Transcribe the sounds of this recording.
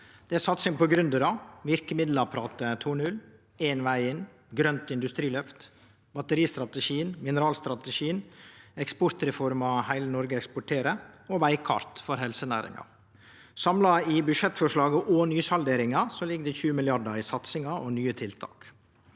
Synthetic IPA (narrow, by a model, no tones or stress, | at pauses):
d̪̥ɛæsɑt̪sɪŋpɔɡɾʉnd̪əɾɑʋɪɾkəmɪd̪lɑpʰɾɑːt̪ət̪ʰuɳʉl | eːnʋæɪɪn | ɡɾœnt̪ɪnd̪ʉst̪ɾiːlœft̪ | bɑt̪əɾiːst̪ɾɑt̪əʃiːənmɪnəɾɑːlst̪ɾɑt̪əʃiːənɛkspɔɾt̪ɾɛfɔɾmɑhæɪlənɔɾɡəɛkspɔʈʰeːɾəɔʋæɪkʰɑ̰ɾt̪fɔɾɦɛlsənæ̰ːɾɪ̰ŋɑ̰ | sɑmlɑɪbʉʃɛt̪ːfɔʂɭɑːɡəʔɔnyːsɑld̪eːɾɪŋɑsɔlɪɡd̪ɛçʉːəmɪlɪɑɖɑɪsɑt̪sɪŋɑʔɔnyːət̪ʰɪlt̪ʰɑ̰ːk